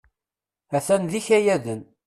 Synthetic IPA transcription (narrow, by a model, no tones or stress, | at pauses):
æθænðiçæjæðən